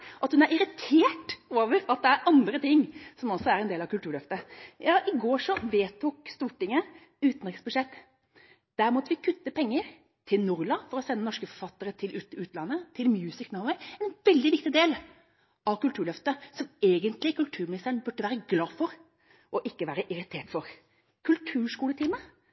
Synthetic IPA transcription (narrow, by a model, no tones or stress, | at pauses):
ʔɑt̪hʉnæɾɪɾɪt̪ʰeːʈoːʋəɾɑt̪̚d̪ɛæɾʔɑnd̪ɾət̪ɪŋːsɔmɔsɔæɾɛnd̪eːlɑʋkʉlt̪ʉːɾɭœft̪əjɑːʔɪɡoːʂɔʋ̪eːt̪ʰuːkst̪uːʈɪŋːə | ʉːt̪n̩ɾɪksbʉd̪ʂɛt̪ː | d̪̥æɾmɔt̪ːəʋɪkʰʉt̪ːəpʰɛŋːəɾ | t̪ʰɪlnʊɾlɑfɔɾɔsɛnːənɔʂkəfɔɾfɑt̪ːəɾət̪ʰɪlʔʉːt̪ʉːt̪lɑnːət̪ʰɪlmjʉːsɪknaʊɛɛnʋɛld̪ɪʋɪk̚t̪ɪd̪eːl | ʔɑʋkʉlt̪ʉːɭœft̪əsɔmeːɡənt̪lɪkʉlt̪ʰʉːɾmɪnɪst̪əɾɳnbʉʈːəʋæːɾəɡlɑːfɔɾ | ɔʔɪkːəʋæːɾəʔɪɾɪt̪ʰeːʈfɔɾ | kʰʉlt̪ʰʉːʂkuːlət̪ʰɪːmə